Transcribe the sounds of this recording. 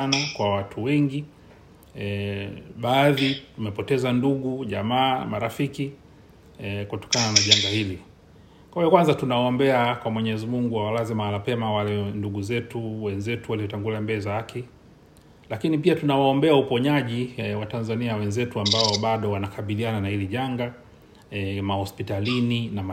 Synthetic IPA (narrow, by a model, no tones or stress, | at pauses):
nakwawatʰuwɛŋɡi | ɓaːðitumɛpɔtɛzanduɠuʄamaːmaɾafiki | kutɔ̥kananaʄaŋɡahili | kwajɔkwanzatunawaɔmbɛakwamwɛɲɛzimuŋɡuwawalazimalapɛmawalɛnduɡuzɛtuwɛnzɛtuwaliɔtaŋɡuliambɛzahaki | lakinipiatunawaɔmbɛaupɔɲaʄiwatanzaniawɛnzɛtuambaɔɓaɗɔwanakʰaɓiliananahiliʄaŋɡa | mahɔspitalininama